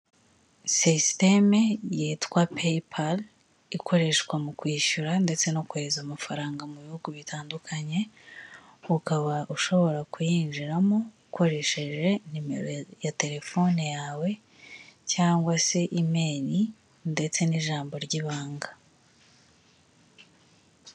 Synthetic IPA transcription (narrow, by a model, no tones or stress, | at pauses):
sistemejitkwapʰepʰal | ikʰo̞ɾe̞ʃkwamukwiːʃuɾande̞t͡se̞no̞kuheɾezamafaɾaːŋɡamuβihuɡuβitʰaːndukʰaɲe̞ | ukaβaʔuʃo̞βo̞ɾakujiːnʒiɾamoukʰo̞ɾe̞ʃe̞ʒe̞nimḛɾojate̞ɾe̞fo̞nejaːwe̞ | caːŋɡwase̞ʔime̞ːni | nde̞t͡se̞niʒaːmbo̞ɾɟiβaːŋɡa